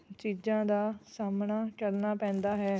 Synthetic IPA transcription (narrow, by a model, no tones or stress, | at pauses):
t͡ʃiːd͡ʒãːd̪aːsaːmnaːkəɾnaːpɛ̃ːnd̪aːɦɛː